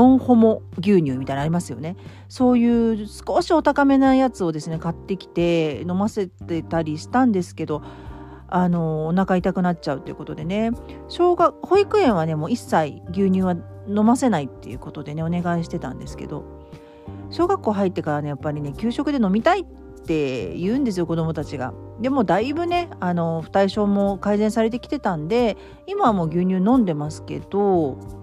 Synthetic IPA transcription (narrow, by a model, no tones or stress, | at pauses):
õ̞ɰ̃ho̞mo̞ɡʲɨːɲ̟ɨːmʲit̪ainaɾʲimasɨjo̞̰ne̞ | so̞ːjɯ̟ːsɨ̥koɕio̞t̪akame̞naijat͡sɨo̞d̪e̞sɨne̞kat̪ːe̞kʲi̥t̪e̞no̞mase̞t̪et̪aɾʲiɕi̥t̪ãnd̪e̞sɨ̥ke̞d̪o̞ | ano̞ːnakait̪akɯ̟natt͡ɕaɯ̟t̪ːo̞jɯ̟̰kot̪o̞d̪e̞ne̞ɕoːɡaho̞ikɯ̟ẽ̞ɰ̃β̞ane̞mo̞ːisːaiɡʲɨːɲ̟ʲɨːβa | no̞mase̞nait̪ːe̞̰jɯ̟̰ko̞t̪o̞d̪e̞ne̞o̞ne̞ɡaiɕi̥t̪e̞t̪ã̰nd̪e̞sɨ̥ke̞̰d̪o̞̰ | ɕo̞ːɡakːo̞ːɦait̪ːe̞kaɾane̞japːaɾʲine̞kʲɨːɕo̞kɯ̟d̪e̞no̞mʲit̪ait | t̪ːe̞jɯ̟̃ːnd̪e̞sɨjo̞ko̞d̪o̞mo̞t̪at͡ɕiɡa̰ | d̪e̞moːd̪aibɯ̟ne̞ano̞ɸɯ̟̥t̪aiɕo̞ːmo̞kaizẽ̞ɰ̃saɾe̞t̪̬e̞kʲi̥t̪e̞t̪ãnd̪e̞ | imaamo̞ːɡʲɨːɲ̟ɨːnõ̞nd̪e̞masɨ̥ke̞̰d̪̥o̞